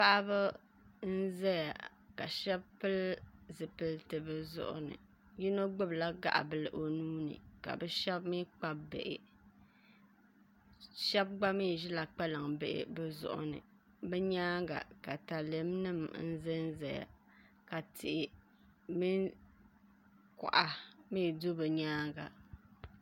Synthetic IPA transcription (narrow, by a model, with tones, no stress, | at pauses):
pa˦ʔa˦bɨ˦ | n̩˦zɛ˦ja̰˨ | ka˨ʃɛ˦bpɨ˦lzɨ˨pɨ˨ltɨ˨bɨ˦zʊ̰˦ʔʊ̰˨nɨ̰˨ | ji˦no˦ɡ͡bɨ˦bla˦ɡa̰˦ʔa̰˨bɨ˦lɨ˦ʔo˨nuː˦nɨ̰˨ka̰˨bɛ˦ʃɛ˦bmi˦k͡pa˦bḛ˨ʔɪ̰˨ | ʃɛ˦b̚ɡ͡ba˦mi˦˨ʒɪ˦la˨k͡pa˦lɨ˨ŋbɪ̰˦ʔɪ̰˨bɛ˦zʊ̰˨ʔʊ̰˨nɨ̰˨ | bɛ˦ɲaː˦ŋɡa̰˨ka˨ta˨lɨ˨˦mnɨ˦mn̩˦zɨ˦nzɛ˨ja̰˨ | ka˨tʰɪ˨ʔɪ˨ | mi˦n | kʊ̰˨ʔa˨miː˦˨do˦bɨ˨ɲaː˦ŋɡa̰˨